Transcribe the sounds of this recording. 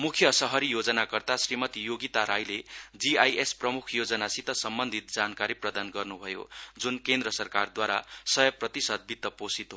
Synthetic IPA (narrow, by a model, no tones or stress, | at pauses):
mukʰjʌsʌɦʌɾijod͡zʌnakʌrt̪asrimʌt̪ijoɡit̪aɾajled͡ziajʔesprʌmukʰjod͡zʌnasit̪ʌsʌmbʌnd̪ʱit̪̚d͡zankaɾiprʌd̪anɡʌrnubʱʌjo̰d͡zunkend̪rʌsʌrkard̪waɾasʌjʌprʌt̪isʌd̪̚bit̪ːʌposit̪ɦo